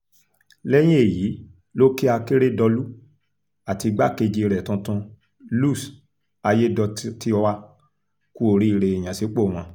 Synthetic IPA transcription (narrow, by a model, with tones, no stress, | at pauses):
lɛ˦j̃ĩ˦e˦˨ji˨˦ | lo˦ki˦a˧ke˦ɾe˦dɔ˧lu˦ | a˨ti˧ɡ͡ba˦ke˧d͡ʒi˧ɾɛ˨tũ˧tũ˧ | lu˦˨s | a˧je˦dɔ˧ti˦ɔ˧wa˧ | ku˦o˦˨ɾi˦i˧ɾe˨e˨j̃ã˨se˨˦k͡po˦˨w̃ɔ̃˧